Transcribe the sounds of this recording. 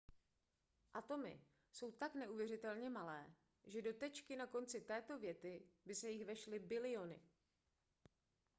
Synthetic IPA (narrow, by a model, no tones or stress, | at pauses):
ʔat̪o̞mɪ̰ | so̞wt̪aknɛʔuvjɛrɪt̪ɛlɲɛmalɛː | ʒɛdo̞t̪ɛt͡ʃkɪnako̞nt͡sɪt̪ɛːt̪o̞vjɛt̪ɪbɪsɛjɪxvɛʃlɪbɪlɪo̞nɪ̰